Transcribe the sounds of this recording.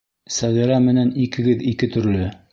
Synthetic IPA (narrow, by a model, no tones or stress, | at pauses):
sæɣɘ̆ɾæmɘ̆nænikɘ̆ɡɘðikɘt̪ɵ̆ɾlɵ